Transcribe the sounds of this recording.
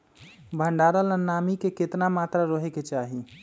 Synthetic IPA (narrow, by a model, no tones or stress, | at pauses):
bʱəɳɖaɾələnamikeket̪namat̪ɾaɾəɦeket͡ʃaɦi